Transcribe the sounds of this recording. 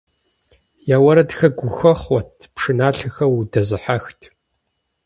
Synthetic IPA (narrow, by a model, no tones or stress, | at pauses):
jaːwɐɾɐtxɐɡʷʊxɐχʷɔtʰpʂɨnaːɬɨxɐwdɐzɨħaxtʰ